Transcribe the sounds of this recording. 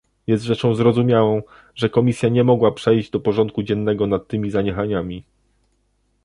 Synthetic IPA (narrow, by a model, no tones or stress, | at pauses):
jɛst̪ʐɛt͡ʂɔ̃w̃zɾɔzumʲjawɔ̃w̃ | ʐɛkɔmʲisʲjaɲɛmɔɡwapʂɛjʑd͡ʑd̪ɔpɔʐɔnt̪̚kud͡ʑɛnːɛɡɔnat̪ːɘmʲizaɲɛxaɲamʲi